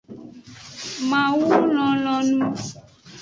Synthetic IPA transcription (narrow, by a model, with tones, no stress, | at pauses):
mã˨wu˦lɔ̃˨lɔ̃˨nũ˦